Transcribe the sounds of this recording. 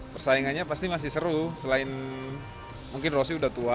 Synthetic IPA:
pərsaiŋanɲapast̪imas̬ɪhsəɾusəlaɪn | muŋkɪnros̬iudaht̪ua

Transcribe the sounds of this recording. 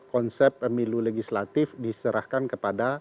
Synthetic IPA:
kɔnsɛpːəmiluleɡislat̪ɪfdisəɾahkankəpada

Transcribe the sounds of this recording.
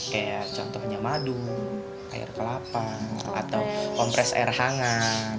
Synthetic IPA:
kajat͡ʃɔnt̪ɔhɲamadu | ʔa̰ɪ̰rkəlapaa̰t̪awkɔmpɾɛsa̰ɛrhaŋa

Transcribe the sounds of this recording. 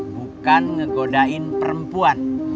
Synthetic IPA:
bukanŋəɡodaɪnpəɾəmpuan

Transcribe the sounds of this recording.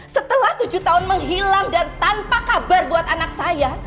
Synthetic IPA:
sət̪əlaht̪ud͡ʒut̪aʊnməŋɦilaŋdant̪anpakabarbuat̪anak̚saja

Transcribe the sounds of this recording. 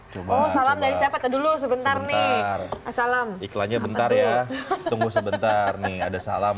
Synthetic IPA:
t͡ʃobɔhsalamdaɾisapat̪adulus̬əbənt̪arnɪrasalamiklaɲabənt̪arjatt̪uŋɡusəbənt̪arnɪhadasalam

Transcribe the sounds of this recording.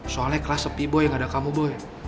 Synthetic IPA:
soalɛkəlasəpibɔjaŋadakamubɔɛ

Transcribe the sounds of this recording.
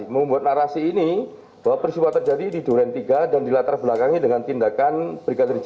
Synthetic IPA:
məmbuat̪̚naɾasiːni | b̥awapərsiwat̪ərd͡ʒadididoɾɛnt̪iɡadandilat̪arbəlakaŋidəŋant̪indakanb̥ɾiɡadərd͡ʒ

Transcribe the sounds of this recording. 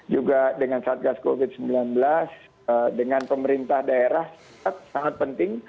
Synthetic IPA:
d͡ʒuɡadəŋansaːt̪̚ɡaskovɪt̪̚səmbilanbəlas | dəŋanpəməɾint̪ahdaeɾahsa | at̪̚saŋat̪̚pənt̪ɪŋ

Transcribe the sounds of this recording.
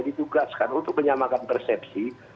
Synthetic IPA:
dit̪uɡaskanunt̪ʊk̚məɲamakanpərsɛpsi

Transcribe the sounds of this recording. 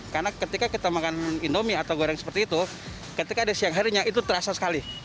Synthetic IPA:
karnakət̪ikakit̪amakanindomiat̪awɡoɾɛŋsə̥pərt̪iːt̪u | kət̪ikadasiaŋɦaɾiɲaʔit̪ut̪əɾasasə̥kali

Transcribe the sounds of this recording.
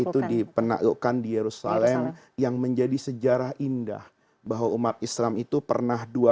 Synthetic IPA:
it̪udipəna̰ɡokandijeɾusa̰lɛm | jaŋməɲd͡ʒadisəd͡ʒaɾaɦinda̰h | baɦwaumat̪̚islamit̪upə̰rnahdua

